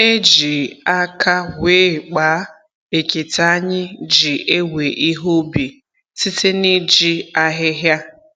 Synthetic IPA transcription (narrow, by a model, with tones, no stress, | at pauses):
e˦d͡ʒi˨a˦kʰa˦weː˨˦k͡pa˨˦ | e˨ke˨ta˨a˦ɲɪ˦d͡ʒi˨e˦we˨ʔi˦ɦo˦bi˨ | si˦tɪ˦ni˦d͡ʒi˦a˦ɦɪ˦ɦja˦